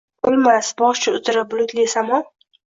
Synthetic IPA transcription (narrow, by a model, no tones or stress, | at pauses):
ʊlˠmasbɒʃt͡ʃʰɪʊt̪ɪɾɪp̚blˠʊt̪lisamɒn